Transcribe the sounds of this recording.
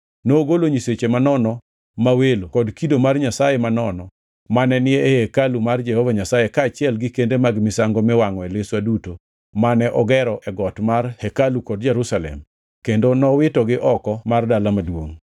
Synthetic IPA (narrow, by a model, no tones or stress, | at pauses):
noːɡoloɲiset͡ʃemanɔnɔ | mawelokɔdkidomarɲasajemanɔnɔ | manɛnɪɛhekalumard͡ʒɛhɔvaɲasajekaːt͡ʃɪɛlɡɪkendemaɡmɪsaŋɡomɛwaŋɔɛleswaduto | manɛʔɔɡɛɾɔʔɛɡɔtmarhekalukɔd̚d͡ʒɛɾusalɛ̰m | kendonɔwɪtɔɡɪʔɔkɔmardalamadwoŋ